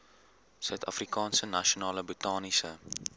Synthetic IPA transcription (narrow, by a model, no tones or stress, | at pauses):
sœɥtɐfrikɑːnsənɐʃionɑːləbutɑːnisə